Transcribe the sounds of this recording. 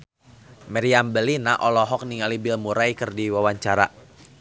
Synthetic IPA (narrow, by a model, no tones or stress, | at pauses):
mɛɾiambəlinaʔɔlɔɦɔk̚niŋalibɪlmuɾajkərdiwawaɲt͡ʃaɾa̰